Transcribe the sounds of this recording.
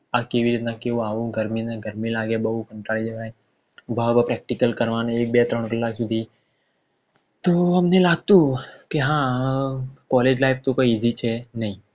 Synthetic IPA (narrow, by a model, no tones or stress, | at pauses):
akeʋiɾit̪nãkeõaʋũɡəɾmĩnãɡʱəɾmĩlaɡebəɦukəɳʈaɭid͡ʒeʋaẽ | bʱabapɾɛk̚ʈikəlkəɾʋãneeːk̚bɛt̪ɾəɳkəlːaːksʊd̪ʱi | t̪oɦəmnelaːɡ̚t̪ũkeɦã | kɔled͡ʒlaɪfʰt̪okoːiiːzit͡ʃʰenɐɦĩ